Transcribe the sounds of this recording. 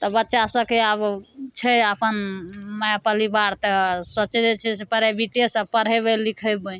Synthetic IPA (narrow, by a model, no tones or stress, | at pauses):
t̪ɔbətːʃasəkeabt͡ʃʰɛəpənməjapəlibaɾt̪əsət͡ʃed͡ʒet͡ʃʰɛsepəɾebiʈesəpəɽ̤ɦebelikʰəbə